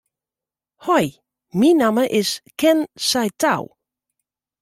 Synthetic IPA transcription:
hɔj | minaməʔɪskɛnsajtaw

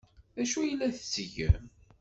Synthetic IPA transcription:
æʃujəlːæθə̥t͡sːəʝə̰m

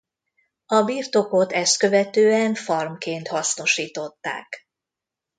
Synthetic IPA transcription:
ɒbiːrt̪o̞ko̞t̪ɛst̪̚kø̞vɛt̪øːɛnfɒrmkeːnt̪hɒsno̞ʃiːt̪o̞t̪ːa̰ːk

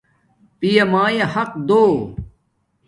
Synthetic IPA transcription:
pijɐmaːjɐhɐq̚d̪oː

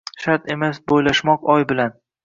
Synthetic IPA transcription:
ʃaɾt̪e̞masbojlaʃmɒqɒjbɪlan

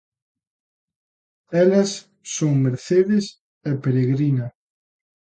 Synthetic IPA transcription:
ɛlɐsː | õŋmeɾθeðɪs | epeɾeɣɾinɐ

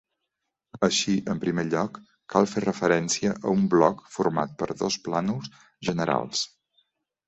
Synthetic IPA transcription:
əʃiʔəmpɾimeʎɔkː | alˠferəfəɾɛnsiəʔəumblɔkfuɾma̰t̪̚pəɾðosplanus | ʒənəɾa̰lˠs

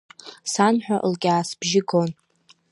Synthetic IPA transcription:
sanħʷᶣaʔlɡʲaːsb̥ʒɪɡo̞n

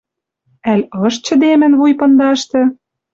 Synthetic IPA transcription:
ælʲɤ̆ʃt͡ɕə̆d̪emɘ̆nβujpɤ̆nd̪ɑʃt̪ɤ̆

